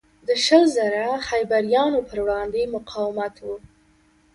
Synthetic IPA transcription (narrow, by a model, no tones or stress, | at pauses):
d̪əʃəlzaɾaxajbaɾjɑnopəɾwɽɑnd̪emʊqʰɑwɪmat̪wu